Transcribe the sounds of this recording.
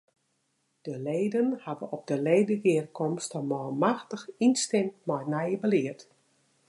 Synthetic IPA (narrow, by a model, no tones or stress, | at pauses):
d̥əleːdənhavəɔp̚dəleːdəɡɪərkʰɔmstəmɔːlˠmaxtəxinstɪmtmɔjnɛjəbəlɪərt